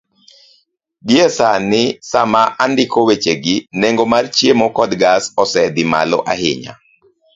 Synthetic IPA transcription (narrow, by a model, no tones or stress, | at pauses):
ɡɪɛsanɪsamaʔandɪkowet͡ʃeɡɪneŋɡɔmart͡ʃjemɔkɔd̪ɡasɔsɛd̪ɪma̰lɔʔahɪ̰ɲa̰